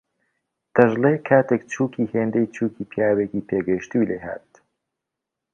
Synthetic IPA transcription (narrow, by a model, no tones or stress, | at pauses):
t̪ɐʒleːkʰaːt̪ʰekt͡ʃʰuːkʰiːheːnd̪ejt͡ʃʰuːkiːpʰjaːweːkiːpʰeːɡɐʃt̪uleha̰ːt̪